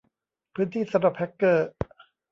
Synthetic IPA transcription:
pʰɯː˦˥nt̪ʰiː˥˩sa˧˦ɾu˨˩p̚hɛ˦˥kːɤː˥˩

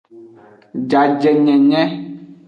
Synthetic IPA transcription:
d͡ʒa˨d͡ʒɛ˨ɲɛ̃˨ɲɛ̃˦

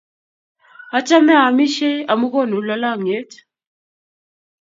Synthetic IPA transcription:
a˦t͡ʃʼa˦mɛ˦a˨mi˦ʃɛ˦a˨mu˦kɔ˦˨nu˨˦la˨˦la˦˨ŋ˨e˦t

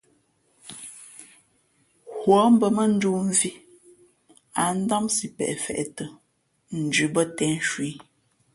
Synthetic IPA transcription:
hwɔ˨˦m̩˦bə˨mə˦n̩˦du˦m˨vi˦ | a˨n̩˦dɔ˦msi˨pɛ̰˨ʔɛ˨fɛ̰˨ʔtə˨ | n̩˨d͡ʒʉ˨bə˦tɛ˦n˦ʃwi˨˦

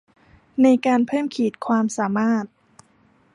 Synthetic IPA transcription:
na˧jkaː˧npʰɤː˥˩mkʰiː˩t̪̚kʰwaː˧msaː˩˦maː˥˩t̪̚

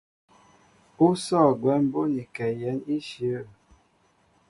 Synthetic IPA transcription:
u˦sɔ˦˨ɡwɛ˨˦m˦bo˦ni˨kɛ˨jɛ˨˦ni˦ʃə˨˦˨

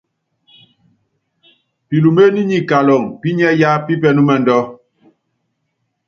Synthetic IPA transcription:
pi˨lu˨me˦ni˦ɲi˨ka˨lɔ˨ŋpi˦ɲɛ˦ja˦pi˦pɛ˦nu˦mɛ˨n˨dɔ˦

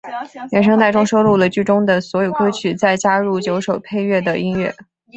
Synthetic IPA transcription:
jɛ˨˥˩nʂ̬ɤ˥ŋt̪a˥˧ɪʈ͡ʂʊ˥ŋʂo˥ʊlu˥˩lə˩t͡ɕy˥˩ʈ͡ʂʊ˥ŋd̪ə˨swɔ˧˥jo˨˩ʊkɤ˥t͡ɕʰy˨˩t͡sa˥˩ɪt͡ɕja˥ɻu˥˩t͡ɕjo˧˥ʊʂo˨˩ʊpʰe˥˧ɪɥɛ˥˩d̪ə˩i˥nɥɛ̰˥˩

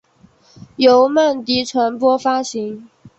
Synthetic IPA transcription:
jo˧˥ʊmə˥˩nt̪i˧˥ʈ͡ʂʰwa˧˥npwɔ˥fa˥ɕi˨˧˥ŋ

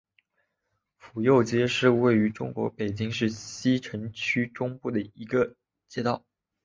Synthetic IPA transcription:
fu˨˩jo˥˧ʊt͡ɕjɛ˥ʂɻ̩˥˧we˥˩ɪy˧˥ʈ͡ʂʊ˥ŋkwɔ̰˧˥pe˨˩ɪt͡ɕi˥ŋʂɻ̩˥˩ɕi˥ʈ͡ʂʰɤ˧˥ŋt͡ɕʰy˥ʈ͡ʂʊ˥ŋpu˥˩d̪ə˩i˧˥ɡə˧ | t͡ɕjɛ˥t̪ɑ˥˩ʊ

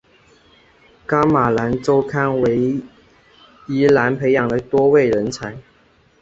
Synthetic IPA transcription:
ka˥ma˨˩la˧˥nt͡so˥ʊkʰa˥nwe˧˥ɪ | i˦˥la˧˥npʰe˧˥ɪjɑ˨˩ŋd̪ə˦t̪wɔ˥we˥˩ɪɻə˧˦˥nt͡sʰa˧˥ɪ

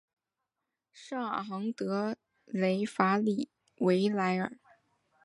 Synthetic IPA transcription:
ʂɑ˥˩ŋa˨˩xɑ˧˥ŋt̪ɤ˧˥ | le˧˥ɪfa˧˥li˥˨˩ | we˧˥ɪla˧˥ɪə̰˨˩˦

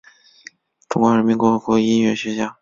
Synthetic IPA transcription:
ʈ͡ʂu˧˥ŋkwa˧˥ɻə˧˥nmi˧˥nkwɔ˧˥xɤ˧˥kɔ˧˥˧i˥nɥɛ˧˥˩ɕɥɛ˧˥t͡ɕja˥˩

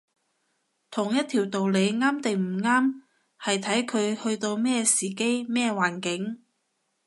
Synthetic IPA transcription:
t̪ʰʊ˨˩ŋjɐ˥t̪̚ʰiː˨˩wt̪o˨wle˨˧jŋaː˥mt̪e˨ŋm̩˨˩ŋaː˥m | hɐ˨jt̪ʰɐ˨˥jkʰɵ˨˧ɥhɵ˧ɥt̪o˧wmɛː˥siː˨˩ke˥jmɛː˥waː˨˩nkɪ˨˥ŋ

